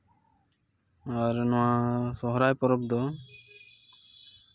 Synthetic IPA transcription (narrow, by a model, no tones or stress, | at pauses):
aɾnʊwasɔɦɾajpɔɾɔb̚d̪ɔ